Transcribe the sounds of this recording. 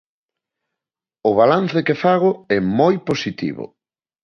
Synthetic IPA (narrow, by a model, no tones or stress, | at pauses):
ʊβalan̟θekefaɣʊɛmojposit̪ḭβʊ̰